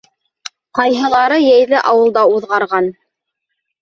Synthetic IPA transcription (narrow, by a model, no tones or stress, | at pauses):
qɑjɦɤ̆lˠɑɾɤjæjlɘʔɑwɤ̆lˠd̪ɑuðʁɑɾʁɑn